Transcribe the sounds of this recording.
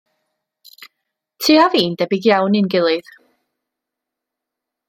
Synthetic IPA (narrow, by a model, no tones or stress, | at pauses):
tʰiːaviːndɛbɪɡjawnɪnɡɪlˠɨð̥